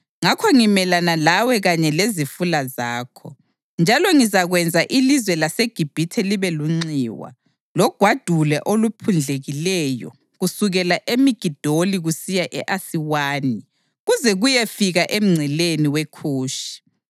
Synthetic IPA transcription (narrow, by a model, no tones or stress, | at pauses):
ŋakʰɔŋimɛlanalawɛɣaɲɛlezifulazaːkʰɔ̰ | nd͡ʒʱalɔŋizaɣwɛnd͡zʱaʔilizwɛlaseɡ̥ʱib̥ʱitʰɛliβɛluŋ͡ǀiːwa̰ | lɔɡ̥ʱwad̥ʱulɛ̰ʔolupʰund͡ɮʱeɣilɛjɔ̰ | ɣusuɣɛlaʔemiɡ̥ʱid̥ʱoliɣusijaʔɛʔasiwaːni | ɣuzɛɣujefiɣaʔem̩ŋ͡ǀʱɛleniwekʰuːʃi̥